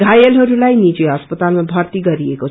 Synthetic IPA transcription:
ɡʱajʌlɦʌɾulajnit͡seɦʌspʌt̪almabʱʌrt̪iɡʌɾieko

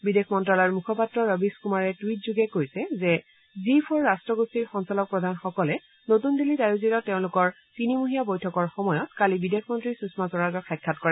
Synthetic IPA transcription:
bidexʰmɔntɹalɔɹmukʰɔpatɹɔɹɔbiskumaɹɛtwit̚zuɡɛkoɹisɛzɛ | zipʰɔɹːastɹɔɡostiɹxɔnsɔlɔk̚pɹɔdʱanxɔkɔlɛ | notundilidajuziɾɔtːeʊ̃lʊkɔɹ | tinimuɦijabojtʰɔkɔɹxɔmɔjɔtkalibidekʰmɔntɹisusmasɔɹazɔxʰɛkʰːatkɔɹɛ

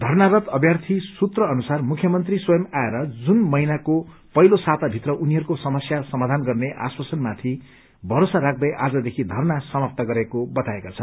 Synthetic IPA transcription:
d̪ʱʌrnaɾʌt̪ʌbjart̪ʰisut̪rʌːnusarmukʰːjʌmʌnt̪riswʌjʌmaeɾʌd͡zunmʌinako | pʌjlosat̪abʱit̪rʌʔuniɦʌrkosʌmʌsjasʌmad̪ʱanɡʌrneʔa̰swasʌnmat̪ʰi | bʱʌɾosaɾak̚ʰd̪ʌjʔad͡zʌd̪ekʰid̪ʱʌrnasʌmap̚t̪aɡʌɾekobʌt̪aekat͡sʰʌn

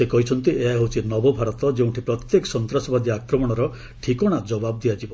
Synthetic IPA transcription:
ekɔɦit͡ʃʰɔnt̪iʔeɦewt͡ʃʰinɔbɔbʱaɾɔt̪ɔd͡ʒew̃ʈʰipɾɔt̪jekɔ̥sɔnt̪ɾasɔbad̪iakɾɔmɔɽ̃ɔɾɔ | ʈʰikɔɽ̃ad͡ʒɔbab̚d̪iad͡ʒibɔ

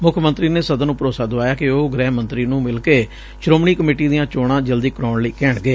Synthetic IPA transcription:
mʊkʰmənt̪ɾiːneːsəd̪nũːpəɾoːsaːd̪ʊʋaːjaːkɪoːɡɾɛːmənt̪ɾiːnũːmɪlkeː | ʃɾoːmɳiːkəmeːʈiːd̪ijãːt͡ʃoːɽ̃ãːd͡ʒəld̪iːkɾoːɳləiːkɛːɳɡeː

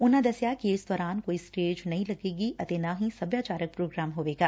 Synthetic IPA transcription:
ʊnɦãd̪ɐsjakiɪsd̪ɔːɾaːnkoːisʈeːd͡ʒnɐɦĩlɐɡeːɡiʔɐt̪eːnaɦĩsɐbjaːt͡ʃaːɾək̚pɾoːɡɾaːmɦoːʋeːɡaː

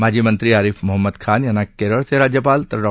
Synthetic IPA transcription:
maːd͡ʒimə̃nt̪ɾiaːɾifʰmʊɦəmːəd̪kʰaːnjanakːeɾəɾt̪ʰeɾaːd͡ʒjəpaːlt̪ɐɾɾɔ

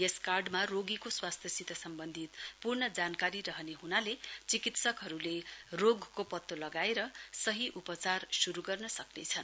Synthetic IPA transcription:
jeskarɖmaroɡikoswast̪ʰjʌsit̪ʌsʌmbʌnd̪ʱit̪purnʌd͡zankaɾiɾʌɦʌneɦunalet͡sikit̪sʌkɦʌɾuleroɡkopʌt̪ːolʌɡaeɾʌsʌɦiʔupʌt͡sarsuɾuɡʌrnʌsʌknḛt͡sʰʌn

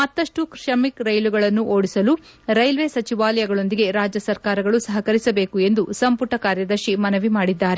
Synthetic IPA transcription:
mɐt̪ːɐʂʈukʂɐmikɾɐjluɡɐɭɐnːuʔo̞ːɽisɐlu | ɾɐjlʋeːsɐt͡ʃiʋaːlɐjɐɡɐɭo̞nd̪iɡe̞ɾaːd͡ʒjɐsɐɾkaːɾɐɡɐɭusɐɦɐkɐɾisɐbeːkue̞nd̪usɐmpuʈɐkaːɾjɐd̪ɐɾʃimɐnɐʋimaːɽid̪ːaːɾe

